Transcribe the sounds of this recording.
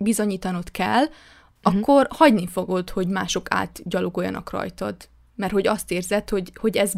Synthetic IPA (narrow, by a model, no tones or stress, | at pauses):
bizoɲiːt̪ɒnot̪kɛ̰lː | ɒkʰːo̞rhɒɟnifo̞ɡot̪ho̞ɟma̰ːʃo̞ka̰ːt̪ɟɒloɡojːɒ̰nɒ̰krɒ̰jt̪ɒd̪ | mɛrt̪ho̞ɟɒst̪eːrzɛt̪ho̞ɟho̞ɟɛz